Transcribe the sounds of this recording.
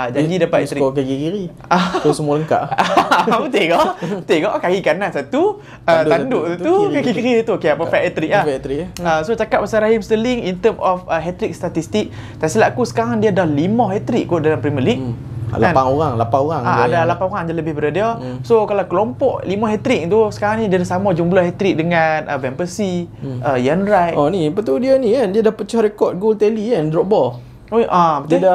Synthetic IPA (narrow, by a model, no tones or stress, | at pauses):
ad͡ʒadidapat̪ɛt̪ɾikkaɡikiɾi | ausəmualəŋka̰ʔ | pət̪ɪɡɔʔbət̪ɪhɡɔʔkajikanaʔsat̪u | ət̪anduʔsat̪ukaɡikiɾit̪ukijaʔpəfɛʔɛt̪ɾiklaht̪ɾiəsot͡ʃakatʔ̚pasaɾaɦimst̪əliŋint̪əmɔfəɦɛt̪ɾik̚st̪at̪ist̪ik̚ | t̪asilaʔakusə̥kaɾaŋdiadahlimɔhɦɛt̪ɾikkuʔdalampɾiməliʔ̚laãnaŋoɾaŋlapaoɾaŋaa̰dalapanoɣaŋdaləbɪhbədadia | sokalawkəlompɔʔlimɔɦɛt̪ɾik̚t̪usə̥kaɾaŋnidiadahsamad͡ʒumblahɦɛt̪ɾik̚dəŋãnʔə̰vɛmbəsiəjanɾajʔnĩpat̪udianĩandiadahpət͡ʃahɾekɔt̪̚ɡolt̪ɛliɛndɾɔk̚bɔl | ojʔad̪a